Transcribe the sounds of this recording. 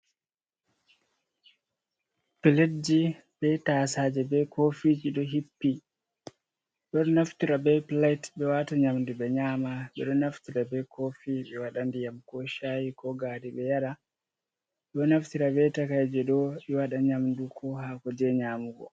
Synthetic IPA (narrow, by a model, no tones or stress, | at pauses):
piled͡ʒi | bɛtaːsaːd͡ʒɛbɛkofid͡ʒiɗɔɦipːi | ɗɔɗnaftiɾabɛplajtbɛwataɲamndubɛɲaːmaɓɛ̰ɗɔnaftiɾabɛkʰofiɓɛwaɗandijamkɔʃajikɔɡaːdiɓɛjaɗa | ɓɗɔnaftiɾabɛtakajd͡ʒɛɗɔɓɛwaɗaɲamndukʰɔhakɔd͡ʒɛɲamuɡɔ̰